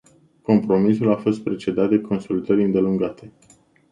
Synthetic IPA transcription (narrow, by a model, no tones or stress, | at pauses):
ko̞mpɾo̞misulafo̞st̪̚pɾe̞t͡ʃe̞d̪at̪̚d̪e̞kʰo̞nsult̪əɾɨnd̪e̞luŋɡat̪ʰe̞